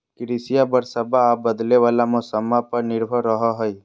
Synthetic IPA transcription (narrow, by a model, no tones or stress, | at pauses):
kɪɾisɪjabəɾsəbaːp̚bəd̪leʋaːlamʊsəmapəɾnɪɾbʱəɾːəɦaɦəj